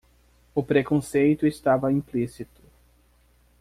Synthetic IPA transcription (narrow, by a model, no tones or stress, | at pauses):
ʊpɾekõsejt̪ʊest̪avɐĩplisit̪ʊ̥